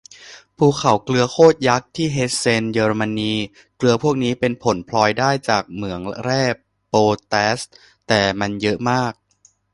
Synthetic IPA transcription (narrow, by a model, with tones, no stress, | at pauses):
pʰuː˧˩kʰa˨˩wklɯ˧ɐkʰoː˥˩t̪̚ja˦˥k̚t̪ʰiː˥˩ɦe˦˥t̪̚se˧njɤː˧ɾma˧niː˧ | klɯ˧ɐpʰu˥˩ək̚niː˦˥pe˧npʰo˩˦npʰlɔː˧jdaː˥˩jt͡ɕaː˨˩k̚mɯ˩˦əŋɾɛː˥˩ | poː˧t̪ɛː˦˥s | t̪ɛː˨˩ma˧njɤ˦˥ʔmaː˥˩k̚